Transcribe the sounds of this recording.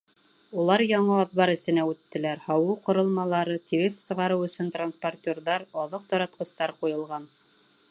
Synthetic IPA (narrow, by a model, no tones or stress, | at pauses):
ulˠɑɾjɒɴɤɒðβɑɾɘ̆sɘ̆næʉt̪ːɘ̆læɾhɑwɤqŏɾɤ̆lˠmɑlˠɑɾɤt̪ʲiɾɘfsɤ̆ʁɑɾɤwɵ̆sɵnt̪ransport̪ʲorðɑɾɒðɤq̚t̪ɒɾɑt̪̚qɤ̆st̪ɑɾqujɤ̆lˠʁɑn